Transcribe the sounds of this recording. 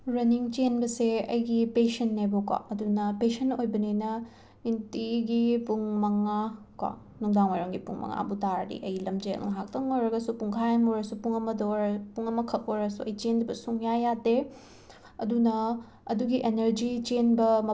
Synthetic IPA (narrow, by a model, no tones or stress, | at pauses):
ɾɐniŋt͡ʃenbɐseɐ̰jɡipesɐnːebokwa̰ɐdunɐpesɐnojbɐninɐ | intiɡipuŋmɐŋa | kwa̰ | nuŋdaŋojɾɐŋɡipuŋmɐ̰ŋa̰butaɾdḭʔɐjlɐmd͡ʒeɐ̰ŋnɐɦak̚tɐŋojɾɐɡɐsupuŋkʰajanoɾɐsupuŋɐmɐdoɾpuŋɐmɐkʰɐk̚oɾɐsuɐjt͡ʃendɐbɐsuŋjajade | ɐdunɐ | ɐduɡiʔeneɾd͡ʒit͡ʃenbɐm